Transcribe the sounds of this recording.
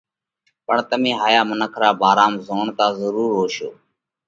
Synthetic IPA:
pəɳt̪əmĩːɦaːjaːmənəkʰɾaːbʱaːɾaːmzoːɳt̪aːzəɾuːɾɦoːʃo̰ː

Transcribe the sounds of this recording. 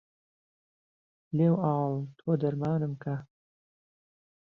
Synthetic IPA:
leːwɑːlt̪ʰoːd̪ɐɾmɑːnɨmkʰa

